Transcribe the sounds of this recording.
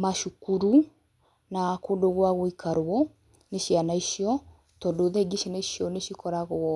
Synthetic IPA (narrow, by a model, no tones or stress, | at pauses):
maʃukuɾu | nakodoɣwaɣoikʰaɾwɔ | neɕjanaiʃiɔ | tɔdoðɛɡiʃeneiʃjɔneʃjikɔɾaɣoɔ